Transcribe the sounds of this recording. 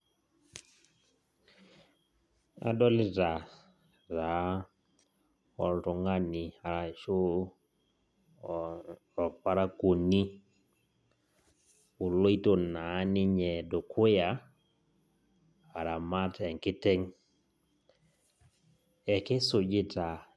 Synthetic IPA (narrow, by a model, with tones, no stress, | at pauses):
a̰˦dɔ˦lɪ˦ɾa˨ | ɾa˨˦ | ɔ˨lto˨ŋa˦ni˨a˨ɾa˨ʃo˦ | ɔ˨pa˦ɾa˦ko˨ni˦ | u˨lo˦i˦to˨na˨˦nɪ˦ɲɛ˨do˨kʰʊ˦ja˨ | a˨ɾa˨ma˦tɛ˨ŋkɪ˦tɛ˦ŋ | ɛ˨kɪ˦sʊ˨d͡ʒɪ˦ta˨